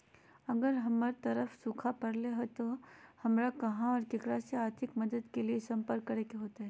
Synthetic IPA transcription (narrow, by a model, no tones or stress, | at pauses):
ɐɡəɾɦɐməɾt̪ɐɾəfsukʰapɐɾleɦɛt̪ohɐmɾakɐɦãɔːɾkekɾaseaːɾt̪ʰɪkmɐd̪əd̪keliesɐ̃mpəɾkːɐɾekeɦoːt̪aɦɛː